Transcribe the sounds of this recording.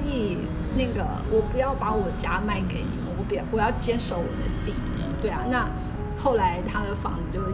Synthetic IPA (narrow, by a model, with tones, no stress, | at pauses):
i˥˩ | na˥˩ɡə̰˩ | wʔɔ˨˩pu˧˥jɑ˥˩ʊpa˧˥wɔ˨˩t͡ɕja˥ma˥˩ɪke˨˩ɪnḭ˨˩mə˦wɔ˧˥pi˨˩˥wɔ˨˩˦jɑ˥˩ʊt͡ɕjɛ˥nʂo˧˥ʊwɔ̰˨˩d̪ə˦t̪ḭ˨˩˧t̪we˥˩ɪa˩na˥˩˧ | xo˥˩ʊla˧˥ɪt̪ʰa˥d̪ə˨fɑ̰˧˥ŋd͡z̩˧t͡ɕjo˥˧ʊ